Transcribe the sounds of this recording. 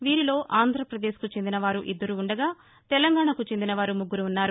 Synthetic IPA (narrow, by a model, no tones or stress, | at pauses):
ʋiːɾilo̞ːʔaːnd̪ʱɾɐpɾɐd̪e̞ːskut͡ʃend̪inɐʋaːɾuʔid̪ːɐɾuːɳɖɐɡaː | t̪ɛlɐŋɡaːɳɐkut͡ʃend̪inɐʋaːɾumuɡːuɾuːnːaːɾu